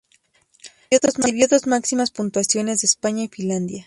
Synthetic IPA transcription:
oðozmaβjoðo̞zmaksimaspunt̪wasjo̞ne̞zðespaɲaifĩnland̪ja

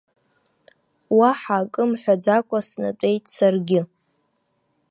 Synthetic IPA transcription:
waħaːkʼɨmħʷᶣad͡zakʷʼasna̰tʷʼe̞jtʼsarɡʲɪ

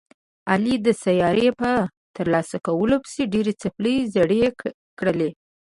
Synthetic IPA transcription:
alid̪əsajɑɾepə | t̪əɾlɑsakawəlopə̥seɖeɾet͡sapləjzaɽe | kɽəle

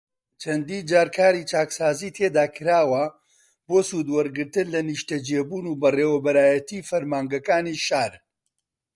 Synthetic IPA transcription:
t͡ʃʰɐnd̪iːnd͡ʒaːɾkʰaːɾiːt͡ʃaːksaːziːt̪ʰeːd̪aːkʰɨɾaːwɐ | boːsuːd̪wɐɾɡɨɾt̪ɨnlɐniʃt̪ɐd͡ʒeːbuːnuːbɐreːwɐbɐɾaːjɐt̪iːfɐɾmaːŋɡɐkaːniːʃaːɾ

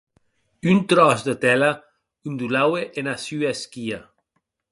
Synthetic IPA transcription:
ynt̪ɾɔsd̪ət̪ɛla | ynd̪ulaweʔenasyaskia

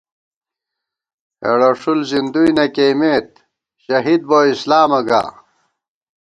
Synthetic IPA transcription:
ḛɽɐʂulzind̪ujnɐkeːmeːt̪̚ | ɕɐɦid̪̚boːislaːmɐɡa̰ː

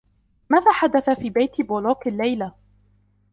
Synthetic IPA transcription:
maːðaːħad̪aθafiːbajt̪boːloːkalːajla

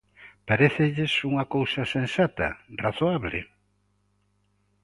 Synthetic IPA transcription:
paɾeθɪʎɪsuŋɐkowsɐsẽnsat̪ɐ̰raθoaβlɪ̰

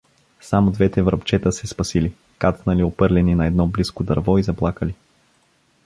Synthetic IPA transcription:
samod̪vɛt̪ɛvɾɐpt͡ʃɛt̪əsɛspɐsili | kat̪snəliopɤɾlɛninɐɛd̪nɔbliskod̪ɐɾvɔizɐplˠakəli

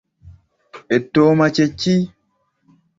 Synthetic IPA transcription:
etːoːmat͡ʃet͡ʃːi

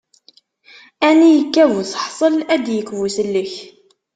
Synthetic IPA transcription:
ænijəkːævusə̥ħsˤəlæd̪jəkːvusəlːəç

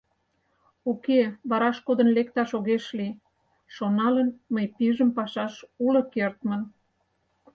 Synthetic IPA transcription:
ukeβɑɾɑʃkod̪ənlekt̪ɑʃoɣeʃli | ʃonɑlənməjpiʒəmpɑʃɑʃulə̆kert̪mən

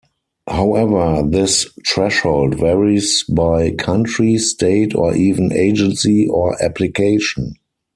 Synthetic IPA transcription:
haʊɛvə˞ðɪstʰɹɛʃhoʊldvɛɹisbaɪkʰãntɹisteɪtʰɔ̰ʔiːvə̃nḛɪd͡ʒə̃nsiɔʔæpʰlikʰeɪʃɔ̃n

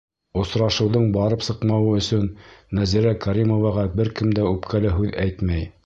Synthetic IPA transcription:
ŏsɾɑʃɤ̆wðɤɴbɑɾɤpsɤqmɑwɤɵ̆sɵnːæziɾækaɾʲimovɑʁɑbɘɾkɘmd̪æʉpkʰælæɦʉðæjt̪mæj

